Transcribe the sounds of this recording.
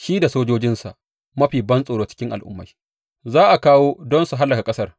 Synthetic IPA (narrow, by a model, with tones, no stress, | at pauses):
ʃi˦da˨soː˦d͡ʒoː˦d͡ʒɪ˦nsa˨ʔ | mɐ˦ɸiː˨bɐ˦nsʼoː˨ɽoː˨t͡ʃɪ̥˦kʲɪ˦ŋʔa̰˨lʔʊ̰˦mːa˨j | zaː˦ʔa˨kaː˦woː˦dɔ˦nsu˨ɦa˦lːɐ˨ka˨kʼɐ˦sɐ˦r